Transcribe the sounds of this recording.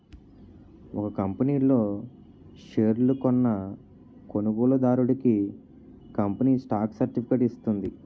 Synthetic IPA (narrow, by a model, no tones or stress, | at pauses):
ɔkɐkɐmpɐniːlo̞ː | ʂeːɾlukɔnːɐ | ko̞nuɡuːlɐd̪aːɾuɽɐki | kɐmpɐniːsʈaːksɐɾʈipʰikeʈist̪und̪i